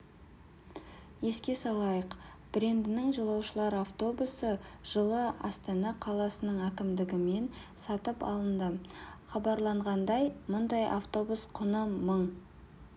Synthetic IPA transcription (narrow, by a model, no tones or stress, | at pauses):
je̞skʲe̞sɑlˠɑjəq | b̥ɾe̞nd̪ɪnɪŋʒəlˠɑwʃəlˠɑɾaft̪o̞busəʒ̥əlˠəɑ̰st̪ɑnɑqʰɑlˠɑsənəɴækʲɪmd̪ɪɡʲɪme̞nsɑt̪əpɑ̰lˠənd̪əχɑbɑɾlˠɑɴʁɑnd̪ɑjmʊnd̪ɑjʔa̰ft̪o̞busqʰʊnəməɴ